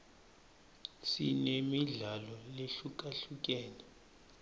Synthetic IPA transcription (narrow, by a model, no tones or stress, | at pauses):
sḭnemiɮalɔleɬuk̬ʼaɬuk̬ʼɛːnɛ